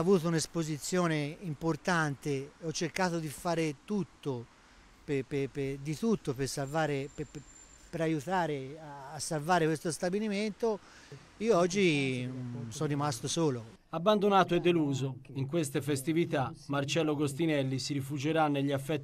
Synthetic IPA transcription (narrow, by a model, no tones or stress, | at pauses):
avuːt̪ounespozit̪sːjɔːneimport̪ant̪eɔt͡ʃːerkaːt̪od̪ifaːɾet̪ut̪ːo | pepeped̪it̪ut̪ːopersalvaːɾep | peɾajut̪aːɾeaːsːalvaːɾekwest̪ost̪abiliment̪o | iːoɔd͡ʒːi | sɔːimast̪osoːlo | abːand̪onaːt̪oɛd̪ːeluːzoiŋkwest̪efest̪ivit̪amːart͡ʃɛlːoɡost̪inɛlːisiɾifud͡ʒeɾanːeʎːiafːɛt̪ː